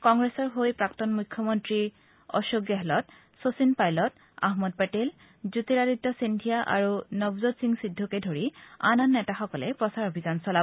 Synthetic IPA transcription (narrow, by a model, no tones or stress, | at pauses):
kɔŋɡɹɛsɔɹɦojpɹaktɔnmukʰːɔmɔntɹi | ɔ̰ʃoɡjaɦɛlɔt | sosinpajlɔt | a̰ɦmɔd̚paʈel | zut̪iɹaditːɔsindʱijaʔa̰ɹunɔbzɔtsiŋsidʱːɔkedʱoɹia̰nɔnːɛtaxɔkɔlɛpɹɔsaɹobʱizansɔla